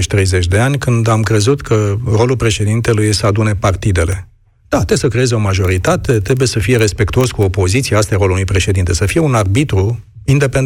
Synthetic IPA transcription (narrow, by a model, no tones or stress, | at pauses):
t͡ʃʲt̪ɾe̞jze̞t͡ʃʲd̪e̞anʲkɨnd̪amkɾe̞zut̪kʰəɾo̞lulpɾe̞ʃe̞d̪int̪e̞lujsəad̪une̞part̪id̪e̞le̞ | d̪̥at̪esəkɾeezeo̞maʒo̞ɾit̪at̪e̞t̪ɾe̞buje̞səfije̞ɾe̞spe̞kt̪uo̞skuo̞po̞zit̪siaast̪ajaɾo̞lulnujpɾe̞ʃed̪int̪e̞səfije̞unarbit̪ɾu | ind̪e̞pen